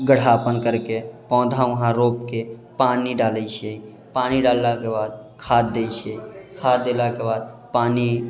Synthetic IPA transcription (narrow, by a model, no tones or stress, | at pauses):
ɡəɽ̤apənkəɾkepɔ̃ːd̪ʱãʋʊɦãɾopkepaːniɖaləit͡ʃʰei | paːniɖaːlːakebaːd̪̚kʰaːd̪̚d̪ejt͡ʃʰeikʰaːt̪̚d̪elakebaːd̪̚paːni